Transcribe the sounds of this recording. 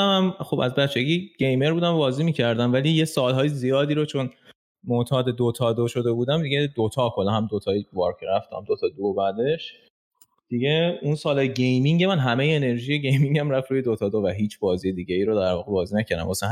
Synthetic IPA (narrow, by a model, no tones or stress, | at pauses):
æmxo̞bæ̰zbæt͡ʃʰːeɟiːɟ̥e̞jme̞ɾbuːd̪æmbɒːziːmiːcʰæɾd̪æmvæliːje̞sɒːlɦɒːjezijɒːd̪iːɾot͡ʃʰo̞n | mot̪ʰɒːd̪e̞d̪ot̪ʰɒːd̪oʃo̞d̪e̞buːd̪æmd̪iɡed̪ot̪ʰɒːkʰolːɑɦæmd̪ot̪ʰɒːivɒ̰ɾkʰɾæft̪ʰæ̰md̪ot̪ʰɒːd̪obæd̪eʃ | d̪̥iɟeunsɒːlɒːjeɟejmiŋɟemænɦæmejeːne̞ɾʒijeɟe̞jmiŋɟæmɾæfɾuːjed̪ot̪ʰɒːd̪ovæɦiːt͡ʃʰb̥ɒːzijed̪iːɟeiːɾod̪æɾvɒːɣebɒːziːnæcʰæɾd̪æ̰mvɒːsæ